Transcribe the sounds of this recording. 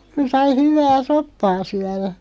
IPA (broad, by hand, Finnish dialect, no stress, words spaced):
ku sɑi hyʋˑæː sopːɑː syæræ